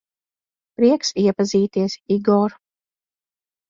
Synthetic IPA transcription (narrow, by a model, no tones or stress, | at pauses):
pɾiɛksiɛpaziːt̪iɛsiɡɔɾ